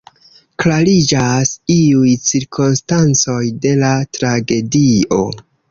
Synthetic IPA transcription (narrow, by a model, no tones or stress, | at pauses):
klalid͡ʒasiujt͡siɾkʰonstant͡so̞jde̞latɾaɡe̞dio̞̰